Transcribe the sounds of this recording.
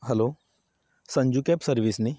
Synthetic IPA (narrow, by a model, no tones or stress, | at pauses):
ɦɛloː | sɐ̃ɲd͡ʒukɛːpsəɾʋisni